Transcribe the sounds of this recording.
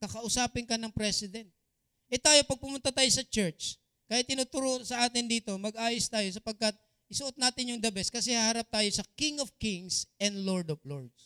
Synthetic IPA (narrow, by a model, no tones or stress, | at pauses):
kɐkɐʔʊsaːpɪŋkɐnɐŋpɾɛsɪd̪ɛnt̪̚ | ʔɛt̪aːjo̞pɐɡ̚pʊmʊnt̪at̪aːjo̞sɐt͡ʃɛɹt͡ʃ | kaːjɪt̪ːɪnuːt̪ʊɾoːʔonsɐʔaːt̪ɪnd̪iːt̪o̞mɐɡ̚ʔaːjɪst̪aːjo̞sɐpɐɡ̚kɐt̪̚ | ʔɪsʊʔot̪̚naːt̪ɪnjʊŋd̪ɐbɛskɐsɛhahɐɾap̚t̪aːjo̞sɐkɪŋovkiŋsʔɛnd̪loɹd̪ofloɹd̪s